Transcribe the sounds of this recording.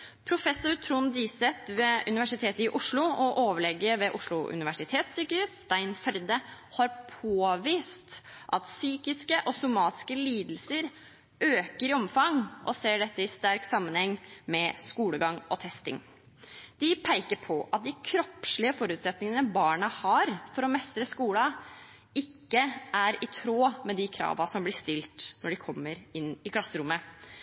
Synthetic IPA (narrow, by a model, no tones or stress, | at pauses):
pʰɾʊfɛsːʊɾt̪ʰɾuːnd̪iːsɛt̪ʋɛʉnɪʋæʂɪt̪ʰeːt̪əɪʔʊʂɭʊɔʔoːʋəɭɛɡːəɾʋɛʔʊʂɭʊʔʉ̰nɪʋæʂɪt̪ʰeːt̪syːkəʉːst̪æɪnfɛɾd̪ə | hɑɾpʰoːʋiːst̪ʔɑt̪syːkɪskəʔɔsʊmɑːt̪ɪ̥skəliːd̪l̩səɾ | øːkəɾɪɔmfɑŋʔɔseːɖɛt̪ːəɪst̪æɾksɑmːənhɛŋːmɛskuːləɡɑŋɔ̰t̪ʰɛst̪ɪ̰ŋ | d̪̥ɪpʰæɪkəɾpʰɔʔɑt̪̚d̪ɪkʰɾɔpʂɭɪəfɔɾʉːt̪sɛt̪nɪŋənəbɑːɳɑhɑɾfɔɾɔmɛst̪ɾəskuːlɑ | ɪkːəʔæɾɪt̪ʰɾoːmɛd̪ɪkʰɾɑ̰ːʋɑsɔmblɪʂt̪ɪlt̪nɔɖɪkʰɔmːəɾɪnːɪkʰlɑsːəɾʊmːə